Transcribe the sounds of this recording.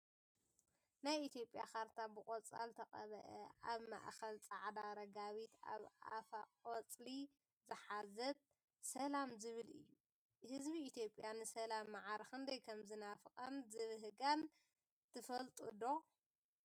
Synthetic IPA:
najit̪ʰjo̞pʼja̰xaɾt̪ʰabɨkʼot͡sʼa̰lt̪ʰɐqʼɐβɐ̰ʔɛʔaβma̰ʔxɐlt͡sʼaʕd̪aɾɐɡaβit̪a̰βa̰faqʼot͡sʼli | zɨħazɐt̪̚ | sɐlamzɨβɨlɨ̰jːu | hɨzbiːt̪ʰjo̞pʼjanɨsɐlamːaʕaɾxɨnd̪ɐjkʰɐmzɨnafɨkʼɐnzɨβɨɦɨɡan | t̪ʰɨfɐlt̪ʼṵd̪o

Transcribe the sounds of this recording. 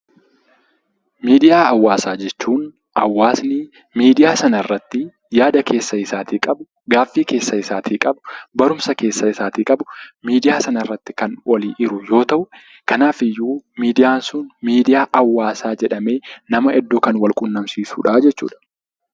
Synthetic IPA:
miːd̪ɪjaːɐwːaːsaːd͡ʒɛt͡ʃːuːn | ʔɐwːaːsnɪ | miːd̪ɪjaːsɐnɐɪrːɐt̪ːɪ | jaːd̪ɐkʰe̞ːsːɐɪsaːt̪iːkʼɐbʊ | ɡaːfːiːke̞ːsːɐɪsaːt̪ʰiːkʼɐbʊbɐɾʊmsɐke̞ːsːɐɪsaːt̪iːkʼɐbʊmiːd̪ɪjaːsɐnɐɪrːɐt̪ːɪ̥kɐnwɔliːʔɪɾʊjo̞ːt̪ɐʔʊ | kɐnaːfɪjːuːmiːd̪ɪjaːnsʊnmiːd̪ɪjaːʔɐwːaːsaːd͡ʒɛᶑɐme̞ːnɐmɐʔɛd̪ːokɐnwɐlkʼʊnːɐmsiːsuːᶑad͡ʒɛt͡ʃːṵːᶑɐ̥

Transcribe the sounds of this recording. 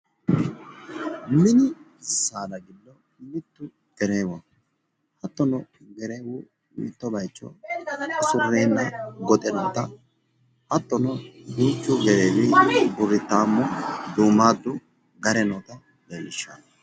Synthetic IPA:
mɪnɪ | sːaːd̪ɐɡɪlːɔ | mɪt̪ːʊ | ɡ̥ɛɾeːwɔ | hɐt̪ːɔnɔɡɛɾeːwʊ | mɪt̪ːɔbɐjt͡ʃːɔ̰ | sʊrːeːnːɐɡɔt̪ʼɛnɔːt̪ɐ | hɐt̪ːɔnɔbiːt͡ʃːʊɡɛɾeːwɪbʊrːɪt̪ːaːmːɔd̪uːmːaːd̪ːʊ | ɡɐɾɛnɔːt̪ɐ | beːlːɪʃːa̰

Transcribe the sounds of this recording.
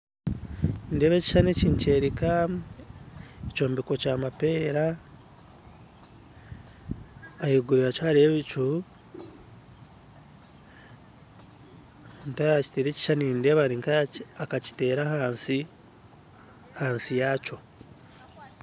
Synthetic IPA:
ndeːβeːci̥ʃaneciːɲce̞ːɾika | eco̞ːmbiko̞caːmapeːɾa | jiɡuɾiɾat͡ʃaɾieβit͡ʃu | ntaaci̥teɾeci̥ʃaninde̞βaɾiŋkaakaci̥te̞ːɾahansi | hansijaːco̞

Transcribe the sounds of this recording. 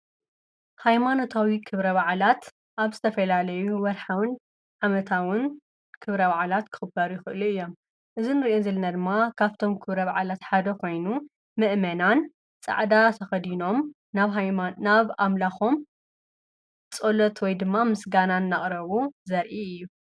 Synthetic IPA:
hajmano̞t̪ʰawikʰɨβɾɐβaʕlat̪ | ʔaβzɨt̪ʰɐfɐlalɐjuwɐɾħawɨn | ʕamɐt̪ʰawʊn | kʰɨβɾɐβaʕlat̪kʰɨ̥xɨbɐɾujɪxɨʔɨluɨjːo̞m | ʔɨzinɨɾiʔozɐlɐnad̪ɨmːakʰaβt̪ʰo̞mkʰɨβɾɐβaʕlat̪ħad̪ɐkʰo̞jnu | mɨʔmɐnan | t͡sʼa̰ʕd̪at̪ʰɐxɐd̪ino̞m | naβnaβamlaxo̞m | t͡sʼolot̪wɔjd̪ɨmːamɨsɡananːaχʼɾɐβuzɐɾʔiɨjːu

